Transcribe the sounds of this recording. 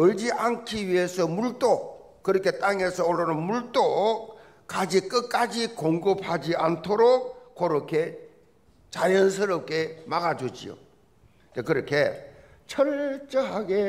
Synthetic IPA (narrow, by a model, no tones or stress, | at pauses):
ɯɭd͡ʑiʔankʰiɥiesʰʌmuɭt͈ʼo | kɯɾʌkʰe̞t͈aŋe̞sʰʌoɭːanɯnmuɭt͈o | k͈ad͡ʑik͈ɯk͈ad͡ʑikoŋɡɯp̚had͡ʑiantʰoɾok̚koɾokʰe | t͡ɕaɾjʌns̬ʰɯɾʌp̚k͈e̞maɡad͡ʑud͡ʑḭo̰ | dekɯɾʌkʰe | t͡ɕʰʌɾt͡ɕ͈ʌɦaɡe